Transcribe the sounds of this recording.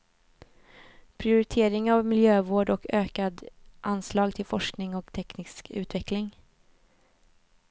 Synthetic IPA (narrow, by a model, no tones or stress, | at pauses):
pʰɾɪʊɾɪt̪ʰeːɾɪŋavmɪljøːvoːɖɔkʰøːkad̪ʔanslɑːɡt̪ʰɪlfɔʂknɪŋɔkt̪ʰɛknɪskʉ̟ːt̪vɛklɪŋ